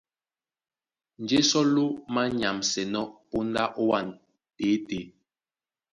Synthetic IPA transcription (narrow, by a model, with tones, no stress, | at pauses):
n̩˨d͡ʒe˦sɔ˦lo˦ma˦ɲa˨msɛ˨nɔ˦po˦nda˦ʔo˦wa˦˨n | te˨˦te˨˦